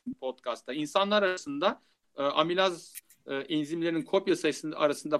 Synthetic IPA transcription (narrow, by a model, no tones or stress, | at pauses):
pʰot̪kʰast̪ʰainsanlˠaɾaɾasɯnd̪a | ɯːʔamilʲaz | ʔinzimlʲe̞ɾininkʰo̞pjasajɯsɯna̰ɾasɯnd̪a